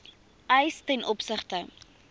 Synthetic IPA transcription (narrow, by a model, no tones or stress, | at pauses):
əjstɛnʔɔpsəχtə